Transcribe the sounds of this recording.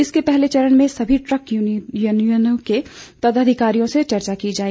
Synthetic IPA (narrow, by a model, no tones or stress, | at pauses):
ɪskepɛɦlet͡ʃɐɾəɽ̃mẽsɐbʱiʈɾəkjunjənõket̪ɐd̪əd̪ʱɪkaːɾijõset͡ʃɐɾt͡ʃakid͡ʒaːɛ